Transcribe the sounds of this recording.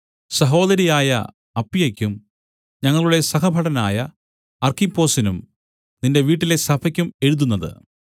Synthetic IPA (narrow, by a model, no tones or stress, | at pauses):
sɐɦo̞ːðɐɾijaːjɐ̰ | ɐpːijɐkʲːum | ɲɐŋːɐɭuɽe̞sɐkɐbʱɐɽɐnaːjɐ | ɐrkipːo̞ːsinum | ninde̞ʋiːʈːile̞sɐbʰʱɐkʲːume̞ɻuðunːɐðɨ̰